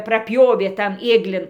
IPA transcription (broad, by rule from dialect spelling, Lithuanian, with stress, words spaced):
prɐˈpʲjoːʋʲeː tɐn ˈeːɡlʲɪn